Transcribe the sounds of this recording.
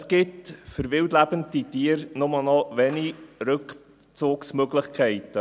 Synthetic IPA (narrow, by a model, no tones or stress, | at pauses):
sɡ̥ɪtfəɾvɪwtlæb̥ənt̪itiːəɾnʊmənɔvɛniɾɵk | t͡soːksmœɡlɪχkʰɛɪt̪ə